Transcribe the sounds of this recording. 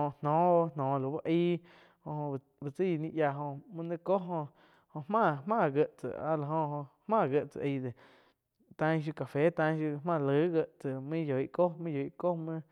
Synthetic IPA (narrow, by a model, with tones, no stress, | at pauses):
õ˧˨nnɔ̃ː˨˦˧nɔ̃ː˨lo˨ba˦ʔiː˦ | hõ˧hõ˧ | bə˧t͡si˦˨nĩ˦ʔja˧ɦõ˧mə̃˦nɨ̃˦ko˦ɦõ˧ʔ | hõ˧ʔhmãː˦˨mãː˦˨ɡə˧˨ʔt͡sə̰˨a̰˧˦la˨ɦõ˧hõ˧hmãː˦˨ɡə˧ʔt͡sə̰˨ʔi˧d̪e˨ | t̪ã˧ɲ̃˦˧ʃ̬ju˧ka˨fe˨˦t̪ã˧ɲ̃˦ʃju˧mãː˧˨lɨəː˨˦ɡə˧ʔt͡sə˨mĩ˦jo˨i˦ʔko˦mĩ˦jo˨i˨ʔko˦mə̃˦